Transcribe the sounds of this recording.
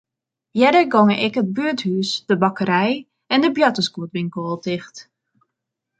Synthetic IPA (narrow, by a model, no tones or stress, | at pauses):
jɛdəɡɔŋəʔɪkɦət̚byəthyːsd̥əbɑkəɾɛj | ɛndəbjɑtəskuətbiŋkoːlˠtɪxt